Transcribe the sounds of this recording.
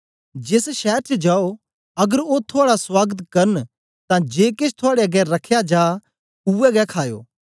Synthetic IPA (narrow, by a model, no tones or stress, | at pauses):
d͡ʒɪsʃɛːɾt͡ʃed͡ʒaːo | ɐɡəɾot̪ʰoaːɽaswaːɡət̪kɐɾn | t̪ãd͡ʒeːkɪt͡ʃʰt̪ʰʊaːɽeɐɡɛɾɐkʰːjad͡ʒaː | uɛɡɛkʰaːjo̰ː